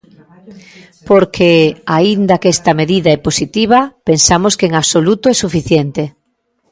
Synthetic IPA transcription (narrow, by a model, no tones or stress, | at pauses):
poɾkʰeaind̪ɐkest̪ɐmeðiðaɛposit̪iβ̞ɐpensamoskeeŋaβsolut̪oɛsufiθjent̪e